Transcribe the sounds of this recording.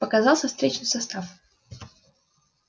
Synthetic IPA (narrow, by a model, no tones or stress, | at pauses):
pəkɐzɑlˠsʲɐfst̪ɾʲet͡ɕnɨsɐst̪af